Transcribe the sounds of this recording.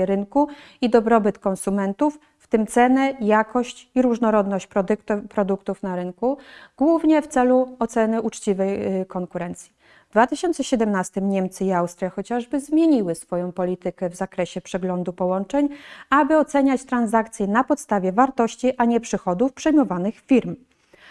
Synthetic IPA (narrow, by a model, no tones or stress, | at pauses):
ɾɘŋkuid̪ɔbɾɔbɘt̪kɔnsumɛnt̪ufːt̪ɘmt̪sɛnɛjakɔɕt͡ɕiɾuʐnɔɾɔd̪nɔɕt͡ɕpɾɔd̪kt̪pɾɔd̪ukt̪ufnaɾɘnkuɡ̥wuvɲɛft̪sɛluɔt̪sɛnɘʔut͡ʂt͡ɕivɛjkɔŋkuɾɛnt̪sʲji | vd̪vat̪ɘɕɔnt̪sɛɕɛd̪ɛmnast̪ɘmɲɛmt̪sɘiawst̪ɾʲjaxɔt͡ɕaʐbɘzmʲjeɲiwɘsfɔjɔ̃w̃pɔlʲit̪ɘkɛvzakɾɛɕɛpʂɛɡlɔnd̪upɔwɔnt͡ʂɛɲabɘɔt̪sɛɲat͡ɕt̪ɾanzakt̪sʲjɛnapɔt̪st̪avʲjɛvaɾt̪ɔɕt͡ɕiʔaɲɛpʂɘxɔd̪ufpʂɛjmɔvanɘxfʲiɾm